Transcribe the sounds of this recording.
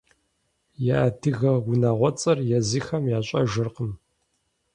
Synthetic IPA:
jaːtʰɨɣɐɡʊnaːʁʷɔt͡sʼɐrjɛziːxɐmjaːɕʷʼɐ̰ʒɨrqəm

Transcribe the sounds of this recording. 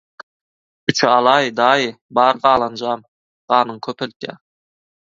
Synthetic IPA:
ʏt͡ʃʰɑlˠɑjd̪ɑj | bɑɾʁɑːlˠɑnd͡ʒɑm | ʁɑnəɴkʲʰɵpɪ̆lk̪ʲæ̰

